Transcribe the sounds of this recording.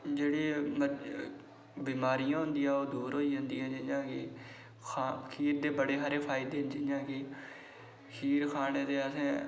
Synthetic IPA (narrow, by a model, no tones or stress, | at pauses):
d͡ʒeːɽiːmə | biːmaːɾɪjãːɦʊ̃nd̪ijãːoːd̪uːɾɦoːiːɦʊnd̪iːãːd͡ʒɪãːkɪ | kʰakʰiːɾd̪eːbəɽeːɦəɾeːpʰaːɪd̪eːd͡ʒɪãːkɪ | kʰiːɾkʰaːneːd̪eːəsẽː